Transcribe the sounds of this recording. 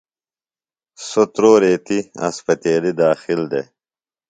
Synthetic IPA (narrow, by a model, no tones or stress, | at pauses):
sot̪ɾoːɾeːt̪iɐ̰spɐt̪eːlid̪aːxild̪ḛ